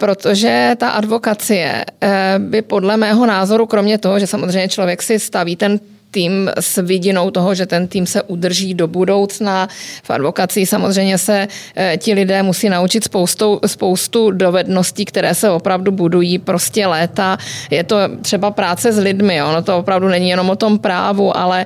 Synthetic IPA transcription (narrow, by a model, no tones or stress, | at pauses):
pɾo̞t̪oʒɛt̪aʔadvo̞kat͡sɪjɛ̰bɪpo̞dlɛmɛːɦo̞naːzo̞ɾukɾo̞mɲɛt̪o̞ɦoʒɛsamozr̝ɛjmɲɛt͡ʃlo̞vjɛksɪst̪aviːt̪ɛn | t̪iːmsvɪɟɪno̞wt̪o̞ɦo̞ʒɛt̪ɛnt̪iːmsɛʔud̪r̩ʒiːdo̞budo̞wt͡snafʔa̰dvo̞kat͡sɪːxsamo̞zr̝ɛjmɲɛsɛcɪlɪdɛːmusiːnaut͡ʃɪt̪spo̞wst̪owspo̞wst̪udo̞vɛdno̞sciːkt̪ɛɾɛːsɛvo̞pɾavdubudujiːpɾo̞scɛlɛːt̪ajɛt̪o̞t̪r̥ɛbapɾaːt͡sɛzlɪdmɪʔo̞not̪oopɾavdunɛɲijɛnomot̪o̞mpɾa̰ːvuʔa̰lɛ